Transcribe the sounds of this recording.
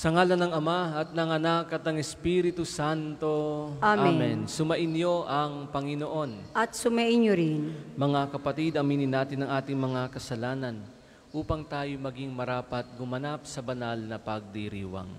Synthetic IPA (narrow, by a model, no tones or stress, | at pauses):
sɐŋaːlɐnɐŋɐmaɐt̪̚nɐŋɐnakɐt̪ɐŋɛspiɾɪt̪usant̪o̞aamːmɛnsʊmɐʔɪnjo̞ʔɐŋpɐŋɪnoʔo̞nɐt̪sʊmɐʔɪnjoɾɪnmɐŋakɐpɐt̪id̪ɐmiːnɪnaːt̪ɪnɐŋʔaːt̪ɪŋmɐŋakɐsɐlaːnɐn | ʔuːpɐŋt̪aːjomɐɡiŋmɐɾaːpɐt̪̚ɡʊmɐnap̚sɐbɐnalnɐpɐɡ̚d̪iɾḭːwɐ̰ŋ